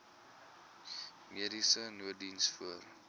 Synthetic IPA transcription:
miəɾisənuədinsfuər

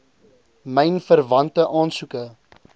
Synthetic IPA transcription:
məjnfərvɐntəʔɑːnsukə

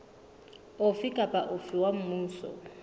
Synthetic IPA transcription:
ʊfikʼapʼaʔʊfiwam̩muːsɔ̰

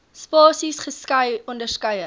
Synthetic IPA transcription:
spɑːsisχəskɐjɔndərskœjə

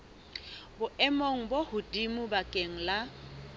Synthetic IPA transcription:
bʊʔɛmoŋ̩bohʊdimʊbakʼeŋ̩la

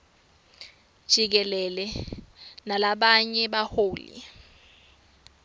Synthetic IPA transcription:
d̥ʒ̥ʱik̬ɛlɛlɛ | nalaɓaɲɛɓahoːlḭ

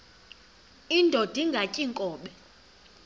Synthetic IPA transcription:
indʱod̥ʱiŋɡʱacʼiŋkʼɔːɓɛ

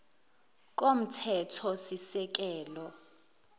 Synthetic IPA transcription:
k̬ʼom̩tʰɛtʰɔsisɛk̬ɛːlɔ

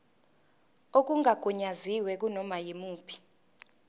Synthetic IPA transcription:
ok̬uŋaɡ̥ʱuɲaziwɛk̬unɔmajemuːpʰi̥

